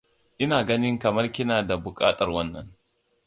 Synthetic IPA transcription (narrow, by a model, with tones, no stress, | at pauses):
ʔɪ˦naː˨ɡɐ˦nɪ˦ŋkɐ˨mɐ˦rkʲɪ˦naː˨da˨bʊ˨kʼaː˦tʼɐ˨rwɐ˦nːɐ̰˨ŋ